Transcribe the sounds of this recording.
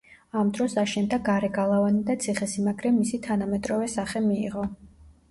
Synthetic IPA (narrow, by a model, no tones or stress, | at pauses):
amd̪ɾɔsaʃɛnd̪aɡaɾɛɡalˠavanid̪at̪sʰiχɛsimaɡɾɛmːisit̪ʰanamɛt̪ʼɾɔvɛsaχɛmiːʁɔ